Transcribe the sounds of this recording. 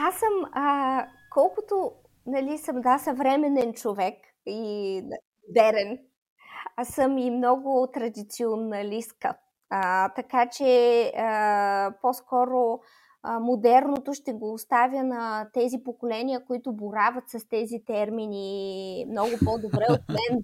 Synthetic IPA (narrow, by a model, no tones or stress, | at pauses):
asəmə | kɔlˠkʊt̪o | nɐlisəmd̪asɐvɾɛmɛnɛnt͡ʃovɛk | i | mod̪ɛɾɛn | asəmimnɔɡʊt̪ɾɐd̪it̪sionɐlʲiskə | ət̪ɐkat͡ʃɛəposkɔɾo | mod̪ɛɾnot̪ʊʃt̪ɛɡoːst̪avʲənɐt̪ɛzipokolɛnʲiəkoit̪ʊboɾavɐt̪sɐst̪ɛzit̪ɛɾminʲimnɔɡʊpod̪obɾɛot̪̚mɛn